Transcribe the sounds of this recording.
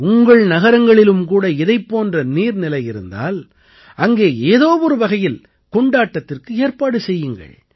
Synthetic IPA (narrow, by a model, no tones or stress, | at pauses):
ʊŋɡɐɭnɐɣɐɾɐŋɡɐɭɪlɯmkuːɽɐɪðɐɪpːoːndrɐniːɾnɪlɐjɪɾɯ̰nd̪a̰ːl | ʔɐŋɡeːeːðoːʋɔɾɯʋɐɣɐjɪl | kɔɳɖaːʈːɐt̪ːɪrkɯeːɾpaːɽɯsɛjːɯŋɡɐ̰ɭ